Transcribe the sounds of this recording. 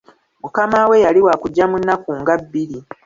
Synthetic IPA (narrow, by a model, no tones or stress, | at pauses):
mukamawe̞jaliwaːkuɟːamunːakuːŋɡabːili